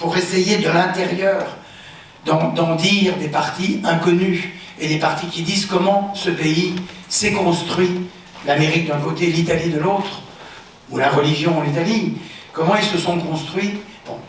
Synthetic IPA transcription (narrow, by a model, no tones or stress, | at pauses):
puʁesejed̪əlɛ̃t̪eʁjœːʁ | d̪ɑ̃d̪ɑ̃d̪iʁd̪epaʁt̪iɛ̃kɔny | ed̪epaʁt̪ikʲid̪iːzkɔmɑ̃səpei | sekɔ̃st̪χɥi | lameʁik̚d̪ɛ̃kot̪elit̪alid̪əloːt̪χ | ulaʁəliʒjɔ̃lit̪ali | kɔmɑ̃ilsəsɔ̃kɔ̃st̪χɥi | b̥ɔ̰̃